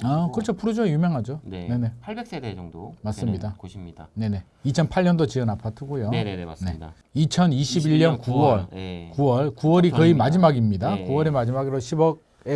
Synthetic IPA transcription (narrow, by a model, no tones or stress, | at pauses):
akɯɾt͡ɕʰopʰuɾod͡ʑʌjumjʌŋɦad͡ʑone̞ne̞ | mas͈ɯmɲidane̞ne̞ | it͡ɕʰʌnpʰaʎɲʌndot͡ɕiɯnapʰatʰɯɡujone̞̰ | it͡ɕʰʌniɕʰibiʎːʌnkuwʌɭkuwʌɭkuwʌɾikɯimad͡ʑimaɡimɲidakuwʌɾemad͡ʑimaɡiɾoɕʰibʌɡ̚ | e